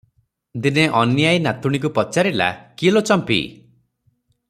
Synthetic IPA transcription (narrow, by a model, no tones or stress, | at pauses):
d̪ineʔɔnjajnat̪uɽ̃ik̬upɔt͡ʃaɾila̰kilot͡ʃɔmpḭ